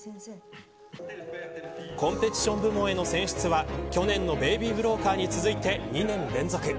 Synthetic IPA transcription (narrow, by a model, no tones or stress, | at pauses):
kõ̞mpe̞t͡ɕi̥ɕõ̞mbɯ̟mõ̞e̞no̞sẽ̞ɰ̃ɕi̥t͡sɨβakʲo̞nẽ̞nːo̞be̞ːbʲibɯ̟ɾo̞ːkaːɲ̟it͡sɨzɨit̪e̞ɲ̟inẽ̞nɾẽ̞nd͡zo̞kɯ̟